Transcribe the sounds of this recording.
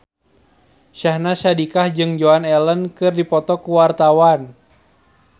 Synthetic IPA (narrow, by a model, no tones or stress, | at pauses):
ʃahnaʃadikahd͡ʒɨŋd͡ʒoanɛlənkɨrdipɔt̪ɔkuwart̪awan